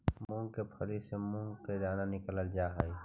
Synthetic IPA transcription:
mũŋɡkepʰəɾisemũŋɡkeɾaːnanɪkələld͡ʒaːɦai

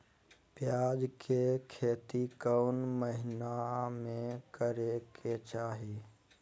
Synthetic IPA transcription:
pjaːd͡ʒkʰekʰeːt̪ikəʊnməɦɪnamẽkəɾekʰet͡ʃaːɦiː

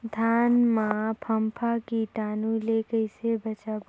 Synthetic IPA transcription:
d̪ʱaːnmãpʰəmpʰakiʈaːnulekəɪsebət͡ʃaːb

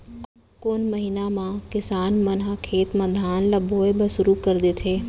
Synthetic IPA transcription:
koːnməɦɪnamãkɪsaːnmənɦakʰeːt̪məd̪ʱaːnlɐbʱoːebɐsʊɾukəɾd̪eːt̪ʰeː

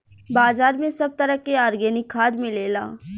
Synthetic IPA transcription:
baːzaːɾmẽsɐb̚t̪ɐɾəkeaːɾɡɛːnɪkʰːaːd̪mẽleːla̰ː

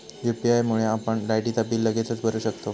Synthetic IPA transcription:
jupiajmuɭeapəɳlajʈit̪abiːlːəɡet͡sət͡sbʱəɾuːɕəkt̪o

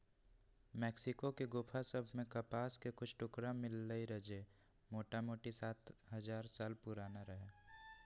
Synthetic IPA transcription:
mɛːksɪkokeɡʊpʰasəbʱmẽkɐpaːskekʊt͡ʃʰʈʊkɾamɪlːəiɾəd͡ʒe | moːʈamoːʈisaːt̪ʰɦɐzaːɾsaːlpʊɾaːnaɾəɦeː

